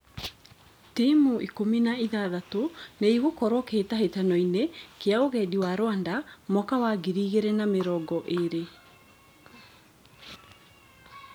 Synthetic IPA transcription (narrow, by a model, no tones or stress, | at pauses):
timuʔikominaiðaðatoneiɣokɔɾɔketaɦetanɔinekeaoɣɛdiwaɾwandamɔkawaɡiɾiːɣeɾɛnameɾɔɡɔʔeɾe